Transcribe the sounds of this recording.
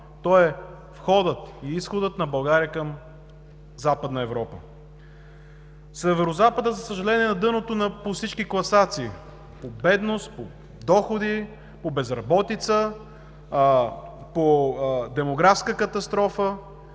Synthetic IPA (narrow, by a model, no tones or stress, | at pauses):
t̪ɔɛ | fxɔd̪ət̪iisxod̪ət̪nɐbɐlˠɡaɾiəkəm | zapəd̪nəɛvɾɔpə | sɛvɛɾozapəd̪əzɐsəʒɐlɛniɛnɐd̪ɤnot̪onɐposit͡ʃkiklˠɐsat̪siː | pobɛd̪nost̪̚po | d̪ɔxod̪i | pobɛzɾɐbɔt̪it̪sə | pod̪ɛmoɡɾafskəkɐt̪ɐst̪ɾɔfə